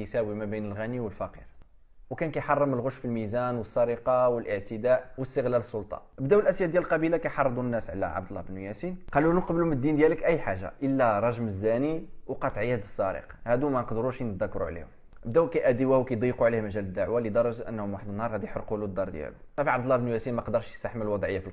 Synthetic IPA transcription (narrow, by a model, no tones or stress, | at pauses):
sæwimæbinəlɣæniwəlfæqḭɾ | wkænkæjħɑrˤːəməlɣʊʃfilmizænwəsˤːɑɾiqɑwəlʔəʕt̪əd̪æʔwəst̪əɣlæləsˤːʊlt̪ˤɑ̰ʔəbd̪æwəlʔæsjæd̪jælqɑbilakæjħɑrˤːəd̪ˤunːæsʕlæ̰ʕa̰b̚d̪əlːɑhbnujæsinqɑlunuqɑbluməd̪ːind̪jæləkʔæjːħaʒːa̰ʔəlːæɾˤɑʒməzːæniwqɑt̪ˤʕihəd̪əsˤːɑɾḭqhæd̪umænqd̪əɾuʃnət̪d̪ækːɾṵʕlḭhʊm | ʔəbd̪æwkæjʔæd̪iwæhwkæjd̪ˤiquʕlihmæʒæləd̪ːaʕwalid̪ɑɾˤɑʒʔə̰nːhʊmwaħəd̪ənːhɑɾˤhæd̪iħəɾqulud̪ːɑɾˤd̪jæ̰lṵt̪æfiʕɑbd̪əlːɑhbnjæsinmæqd̪əɾˤʃjsaħməlwɑd̪ˤʕəjːafil